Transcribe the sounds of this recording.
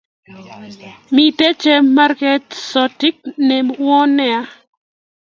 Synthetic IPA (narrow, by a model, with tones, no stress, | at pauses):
mi˨te˦t͡ʃe˦ma˦ɾkɛ˨tsɔ˨ti˦k̚ne˨mwɔ˦nɛ˨a˦